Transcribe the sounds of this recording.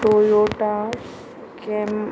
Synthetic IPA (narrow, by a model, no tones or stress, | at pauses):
ojoʈa | kem